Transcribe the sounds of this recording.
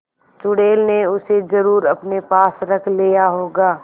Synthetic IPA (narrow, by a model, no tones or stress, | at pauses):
t͡ʃʊɽeːlneʊsezɐɾuːɾɐpnepaːsɾɐkʰlijaɦoːɡaː